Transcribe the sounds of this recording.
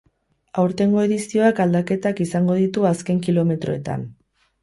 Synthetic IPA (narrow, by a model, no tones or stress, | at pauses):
awɾt̪e̞ŋɡo̞e̞ðisio̞akald̪ake̞t̪akisaŋɡo̞ð̞it̪uaske̞ŋkilo̞me̞t̪ɾo̞e̞t̪a̰n